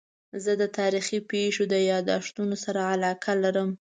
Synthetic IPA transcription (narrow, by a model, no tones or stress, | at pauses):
zəd̪ət̪ɑɾixipeʃod̪əjɑd̪ɑʃt̪unosaɾaalɑkʰalaɾəm